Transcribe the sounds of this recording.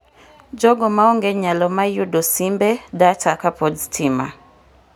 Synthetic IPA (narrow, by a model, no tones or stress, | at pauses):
d͡ʒɔɡɔmaɔŋɡɛɲalɔmajudɔsimbɛdatʰakapɔdtʰima̰